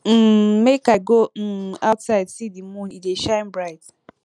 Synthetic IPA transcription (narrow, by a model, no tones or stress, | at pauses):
m̩mekaɪɡoaʊtsaɪdsidimũnideʃãɪmbɹaɪt